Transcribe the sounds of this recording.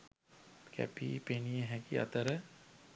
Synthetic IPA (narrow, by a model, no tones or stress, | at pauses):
kɛ̰pḭpeːnieɦɛ̃kiɐ̰t̪əɾɛ